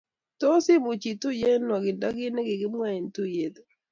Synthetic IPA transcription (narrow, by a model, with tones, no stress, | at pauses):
to˦sɪ˦mu˨t͡ʃi˨tu˦je˦nɔ˨ɡɪ˨da˦ɡɪ˦ne˦ɡɪ˨ɡɪ˦mwa˦e˨ntu˦je˨d̪